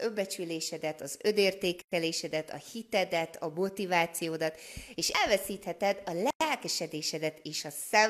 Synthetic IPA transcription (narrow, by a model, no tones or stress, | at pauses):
ømbɛt͡ʃyleːʃɛd̪ɛt̪ɒzø̞d̪eːrt̪eːkɛleːʃɛd̪ɛt̪ɒ̰hit̪ɛd̪ɛt̪ɒmo̞t̪ivaːt̪sijoːd̪ɒt̪eːʃɛlvɛsiːt̪hɛt̪ɛd̪ɒlɛlkɛʃɛd̪eːʃɛd̪ɛt̪eːʃɒsɛ